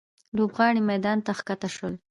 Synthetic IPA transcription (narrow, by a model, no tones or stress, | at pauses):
lobɣɑɽimajd̪ɑnt̪axkat̪aʃwəl